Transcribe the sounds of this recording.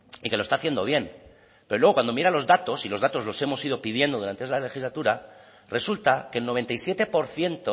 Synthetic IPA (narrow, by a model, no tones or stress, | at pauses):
ike̞lost̪aːθjend̪o̞βje̞n | pe̞ɾolwe̞o̞kwand̪omjeɾalo̞zðat̪o̞silo̞zðat̪o̞zlo̞se̞mo̞siðo̞pið̞je̞nd̪o̞ð̞uɾant̪eesale̞xizlat̪uɾa | re̞sult̪ake̞lnoe̞nt̪ajsje̞t̪e̞po̞ɾθje̞nt̪o